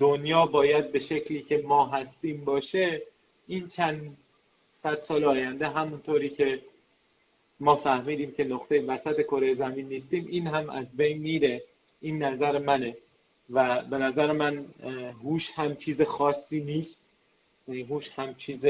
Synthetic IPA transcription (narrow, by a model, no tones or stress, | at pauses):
d̪̥onjɒːbɒːjæd̪̚be̞ʃe̞cʰliːcʰʲe̞mɒːɦæst̪iːmbɒːʃe̞ | iːnt͡ʃʰænd̪ | sæd̪̥sɒːleɒːjænd̪e̞ɦæmunt̪ʰoɾiːcʰe̞ | mɒːfæhmiːd̪iːmcʰe̞noχt̪ʰe̞jevæsæt̪ʰe̞kʰo̞ɾejezæmiːnːiːst̪iːmʔiːnhæmæ̰zbe̞jnmiːɾe̞ | ʔiːnːæzæɾemæne̞ | væbe̞næzæɾemænhuːʃhæmt͡ʃʰiːzexɒːsːiːniːst̪̚ | jæniːɦuːʃhæmt͡ʃʰiːze